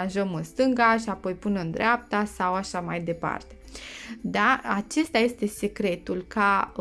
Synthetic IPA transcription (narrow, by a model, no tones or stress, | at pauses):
anʒəmɨnst̪ɨŋɡaʃiapo̞jpunənd̪ɾeap̚t̪asawaʃamajd̪e̞pa̰rt̪e̞d̪aat͡ʃe̞st̪aje̞st̪e̞sekɾe̞t̪ulka